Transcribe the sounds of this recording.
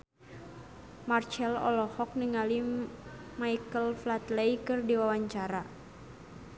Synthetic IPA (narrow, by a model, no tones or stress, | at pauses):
mart͡ʃɛlɔ̰lɔhɔk̚niŋali | maikəlflat̪lejkɨrdiwawaɲt͡ʃaɾa